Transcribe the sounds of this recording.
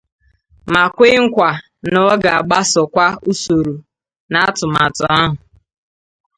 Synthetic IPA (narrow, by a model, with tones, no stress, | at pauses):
ma˨kʷe˦ŋ̩˦kʷa˨ | nɔ˦ɡa˨a˨ɡ͡ba˦sɔ˨kʷa˦u˦so˨ɾu˨ | na˨˦tʊ˨ma˨tʊ˨a˦ɦʊ˨